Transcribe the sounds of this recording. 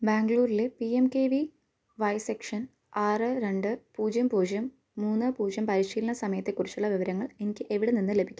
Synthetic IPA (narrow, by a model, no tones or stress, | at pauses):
baːŋɡɭuːɾilepiemkeːʋi | ʋɐjsekʂɐn | aːrɨɾe̞ɳɖɨpuːd͡ʑjɐmpuːd͡ʑjɐmː | uːnːɐpuːd͡ʑjɐmpɐɾiɕiːlɐɳɐsɐmɐjɐt̪ːekːurit͡ɕːuɭːɐʋiʋɐɾɐŋːɐɭe̞nikʲːɨʔe̞ʋiɽe̞ninːɨle̞bʱikʲːu